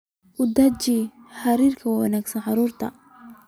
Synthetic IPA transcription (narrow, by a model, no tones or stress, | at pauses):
ʔʊd̪ɐt͡ʃiħaɾiːrkʰɐwɐnaːɡsɐnʕɑɾuːrt̪ʰɐ̰